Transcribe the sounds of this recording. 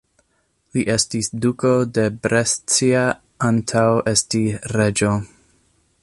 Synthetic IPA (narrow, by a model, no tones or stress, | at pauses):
liʔe̞stisdukode̞bɾest͡sia | antʰawe̞stiɾe̞d͡ʒo